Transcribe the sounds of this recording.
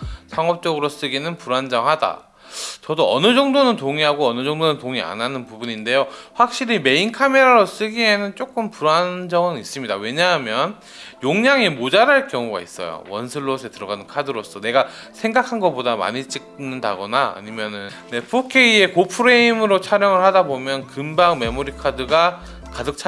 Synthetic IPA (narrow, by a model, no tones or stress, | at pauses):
sʰaŋʌp̚t͡ɕ͈ʌɡɯɾos͈ɯɡinɯnpuɾand͡ʑʌŋhada̰ | t͡ɕʌdoʌnɯd͡ʑʌŋdonɯntoŋiɦaɡoʌnɯd͡ʑʌŋdonɯntoŋia̰nanɯnpubuɲinde̞joɸwak̚ɕ͈iɾime̞inkʰame̞ɾaɾos͈ɯɡiɦe̞nɯnt͡ɕ͈ok͈ɯmpuɾand͡ʑʌŋɯnis͈ɯmɲidawe̞ɲaɦamjʌn | joŋɲaŋemod͡ʑaɾɦaɭkjʌŋuɡa̰is͈ʌ̰jo̰wʌ̰nsʰɯɭːosʰe̞tɯɾʌɡanɯnkʰadɯɾos͈ʌne̞ɡa | sʰe̞ŋɡakʰanɡʌbodama̰ɲit͡ɕ͈ik̚nɯnda̰ɡʌnaa̰ɲimjʌnɯn | ne̞pʰokʰe̞ie̞kopʰɯɾe̞imɯɾot͡ɕʰaɾjʌŋɯɭhadabomjʌnkɯmbaŋme̞moɾikʰadɯɡa | kadɯk̚t͡ɕʰ